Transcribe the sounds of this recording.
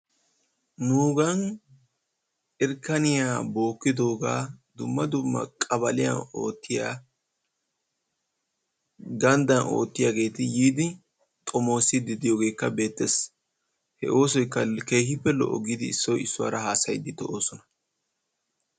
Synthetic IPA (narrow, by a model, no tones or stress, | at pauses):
nuːɡɐn | ɪɾkːɐnɪjaːbo̞ːkːɪd̪o̞ːɡaːd̪ʊmːɐd̪ʊmːɐ̰kʼɐβɐlɪja̰o̞̰ːt̪ːɪjaː | ɡɐnd̪ɐnʔo̞̰ːt̪ːɪjaːɡe̞ːt̪ɪjiːd̪ɪ | t̪ʼɔmo̞ːsɪd̪ɪd̪ɪjoːɡe̞ːkːɐbe̞ːt̪ːes | hɛ̰ʔo̞ːsɔjkːɐke̞ːhɪpːɛlɔ̰ʔɔɡɪd̪ɪːsːɔjɪsːʊwa̰ːɾɐhaːsɐjd̪ɪt̪ɔʔoːsɔnɐ